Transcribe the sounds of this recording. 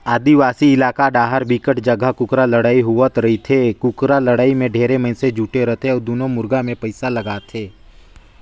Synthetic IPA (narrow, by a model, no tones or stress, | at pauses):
aːd̪iʋaːsiɪlaːkaɖaːɦəɾbikəʈd͡ʒəɡakʊkɾaləɽaːiɦʊʋət̪ɾɐɦit̪ʰekʊkɾaləɽaːimẽɖʱeːɾeməɪnsed͡ʒuːʈeɾɐt̪ʰeɔːɾd̪oːnomʊɾɡamẽpəɪsalɐɡaːt̪ʰeː